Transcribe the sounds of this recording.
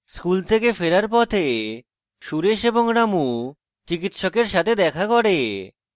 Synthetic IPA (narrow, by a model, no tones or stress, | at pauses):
skult̪ʰekefeɾaɾpɔt̪ʰe | ʃuɾeʃeboŋɾamu | t͡ɕikit̪ʃokeɾʃat̪ʰed̪ɛkʰakoɽe